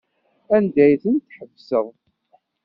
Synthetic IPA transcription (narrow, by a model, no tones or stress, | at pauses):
ænd̪æjθənt̪ːħəvsəðˤ